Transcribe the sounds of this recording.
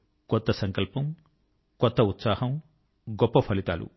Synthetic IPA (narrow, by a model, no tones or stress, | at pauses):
kɔt̪ːɐsɐŋkɐlpɐm | kɔt̪ːɐut̪saːhɐm | ɡɔpːɐpʰɐlit̪a̰ːlʔṵ